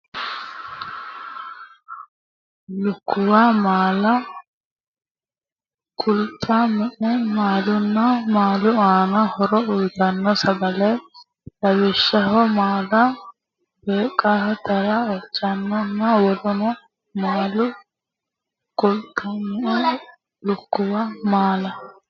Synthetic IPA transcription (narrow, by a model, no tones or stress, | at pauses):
lʊkʰːʊwaːmaːlɐ | kʼʊlt̪ʼːamɛʔɛmaːlʊnːɐmaːlʊaːnɐhɔɾɔʊjd̪ɐnːɔsɐɡɐlɛ | lɐwɪʃːɐɦɔmaːlɐ | beːkʼːaːhɐt̪ɐɾɐɔt͡ʃʼːɐnːɔnːɐwɔlɔnɐ | maːlʊ | kʼʊltʼːɐmɛʔɛ | lʊkːʊwamaːlɐ